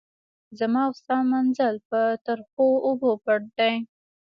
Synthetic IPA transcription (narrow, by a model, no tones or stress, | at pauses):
zamɑʊsɑmanzəlpət̪aɾxoʊbopaɽ̚d̪aj